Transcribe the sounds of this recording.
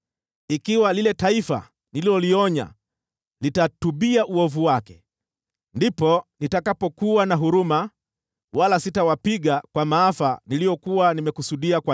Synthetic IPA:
ikiwalilɛtaifa̰ | nililɔliɔɲa̰ | litatuɓiaʔuɔvuwakɛ̥ | ndipɔnitakapɔkuwanaɦuɾuma | walasitawapiɠakwamaːfanilijɔkuwanimɛkusuɗiakwa

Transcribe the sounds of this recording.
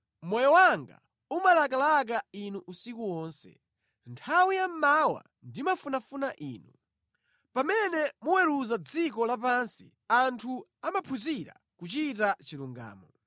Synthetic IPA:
mɔjɔwaŋɡa̰ | umalakalak̬ainuʔusikuwɔːnsɛ̰ | ntʰawijam̩mawa̰ | ndimafunafunaʔḭːnu | pamɛnɛmuwɛɾuzad͡zikɔlap̬ansḭ | antʰuamapʰuziɾa̰ | kut͡ʃitat͡ʃiɾuŋɡa̰ːmɔ

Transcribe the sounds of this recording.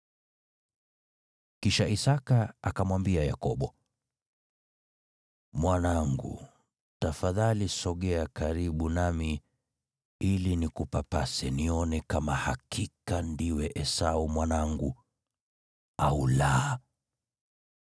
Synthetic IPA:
kiʃaisakaakamwambiaja̰kɔɓɔ | mwanaŋɡṵ | tafaðalisɔɠɛakaɾiɓunami | ilinikupapasɛniɔnɛkamahakikandiwɛʔɛsaumwanaŋɡu | aulaː

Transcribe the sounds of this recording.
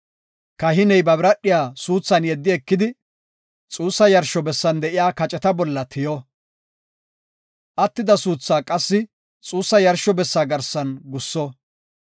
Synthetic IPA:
kɐɦɪnɛjbɐbɪɾɐɗɪjaːsuːt͡sːɐnjɛd̪ːɪɛkːɪd̪ɪ | t͡sʼuːsːɐjɐɾʃɔbɛsːɐnd̪ɛʔɪjaːkɐt͡ʃʼɛt̪ɐbɔlːɐt̪ʰɪjɔ | ʔɐt̪ːɪd̪ɐsuːt͡sːaːkʼɐsːɪ | t͡sʼuːsːɐjɐɾʃːɔbɛsːaːɡɐɾsɐnɡʊsːɔ

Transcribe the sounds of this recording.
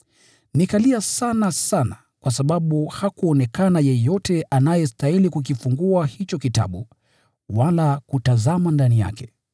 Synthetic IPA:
nikaliasanasana | kwas̬aɓaɓuhakuɔnɛkanajɛjɔtɛʔanajɛstailikuk̬ifuŋɡuahit͡ʃɔkita̰ɓu | walakutazamandanija̰kɛ̥

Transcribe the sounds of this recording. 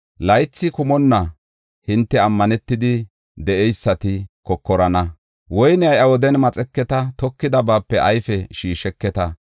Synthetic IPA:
lɐjt͡sːɪkʊmɔnːɐ | hɪnt̪ːɛɐmːɐnɛt̪ːɪd̪ɪ | d̪ɛʔɛjsːɐt̪ɪkɔkːɔɾɐnɐ | wɔjnɛɐjɐwɔd̪ɛnmɐt͡sʼɛkːɛt̪ɐt̪ɔkːɪd̪ɐbaːpːɛʔɐjfɛʃiːʃɛkːɛt̪ɐ

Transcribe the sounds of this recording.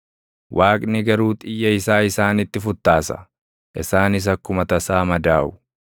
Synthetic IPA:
wʔaːkʼnɪɡɐɾuːt̪ʼɪjːɐɪsaːɪsaːnɪt̪ːɪfʊt̪ːaːsɐ̥̰ | ʔɪ̰saːnɪs̬ɐkːʊmɐt̪ɐsaːmɐd̪aːʔʊ̥

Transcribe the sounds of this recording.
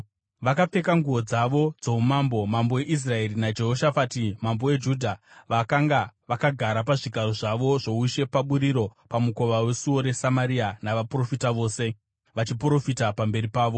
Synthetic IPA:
ʋakap͡fe̞kaŋɡuo̞d͡zaʋo̞d͡zoumambo̞mambo̞we̞ʔis̬rae̞rinad͡ʒe̞ɦo̞ʃafatimambo̞we̞d͡ʒudʱaʋakaŋɡaʋakaɡʱaɾap̬aʐiɡʱaɾo̞ʐaʋo̞ʐo̞uʃe̞paɓuɾiɾo̞pamuko̞ʋawe̞suo̞ɾe̞samaɾianaʋapro̞fitaʋo̞ːse̞ | ʋat͡ʃipro̞fitapambe̞ɾipaːʋo̞

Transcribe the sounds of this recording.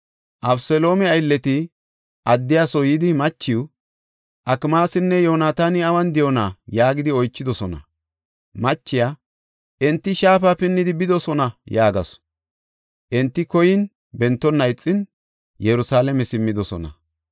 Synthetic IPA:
ʔɐbsɛlo̞ːmɛɐjlːɛt̪ɪ | ʔɐd̪ːɪjaːsɔjɪd̪ɪmɐt͡ʃːɪw | ʔɐkmaːsɪnːɛjo̞ːnaːt̪aːnɪɐwɐnd̪ɪjɔnaːjaːɡɪd̪ɪɔjt͡ʃːɪd̪ɔsɔnɐ̰ | mɐt͡ʃːɪjaː | ʔɛnt̪ːɪʃaːfapɪnːɪd̪ɪbɪd̪ɔsɔnɐjaːɡɐs | ʔɛnt̪ːɪkɔjɪn | bɛnt̪ːɔnːɐjt͡sʼːɪn | jɛɾʊsaːlɛmɛsɪmːɪd̪ɔsɔ̰nɐ̰

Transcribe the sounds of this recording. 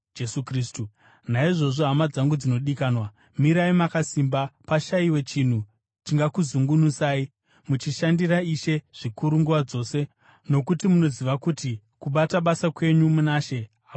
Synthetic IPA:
d͡ʒesukristu | naiʐo̞ʐo̞ɦamad͡zaŋɡud͡zino̞ɗikaːnwa | miɾaimakasimbapaʃaiwe̞t͡ʃin̤u | t͡ʃiŋɡakuzuŋɡunusaːi | mut͡ʃiʃandiraiʃe̞ʐ̥ikuɾuŋɡuwad͡zo̞ːse̞ | no̞kutimuno̞ziʋakuti | kuɓataɓasakwe̞ɲumunaːʃe̞ | a

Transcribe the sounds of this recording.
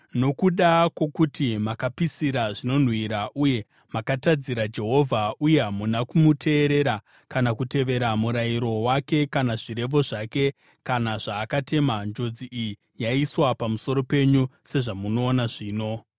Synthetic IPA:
no̞kuɗakwo̞kutimakapisiɾaʐino̞n̤wiɾaʔuje̞ | makatad͡ziɾad͡ʒe̞ɦo̞vʱauje̞ɦamunakumutʰe̞ːɾe̞ɾa | kanakute̞ʋe̞ɾamuɾaiɾo̞wake̞kanaʐiɾe̞ʋo̞ʐake̞ | kanaʐaːkate̞mand͡ʒo̞d͡ziʔiji | jaiswapamuso̞ɾo̞pe̞ɲuse̞ʐamuno̞ːnaʐiːno̞

